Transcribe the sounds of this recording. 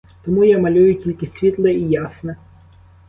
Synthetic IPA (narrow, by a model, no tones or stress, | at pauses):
t̪ɔmujamɐlʲujʊtʲilʲkɪsʲʋʲit̪lˠɛijasnɛ